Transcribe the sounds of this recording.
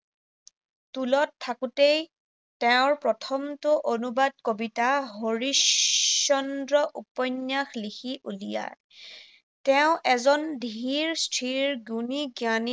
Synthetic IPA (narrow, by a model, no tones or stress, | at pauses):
tulɔtʰːakutej | tɛʊ̃ɹpɹɔtʰɔmtʊʔonubad̚kobitaɦoɹisɔndɹɔʔupɔnːjaxlixʰiʔulija̰ | tɛʊʔɛzɔndʱiiiɹstʰɹiɹɡjuniɡjani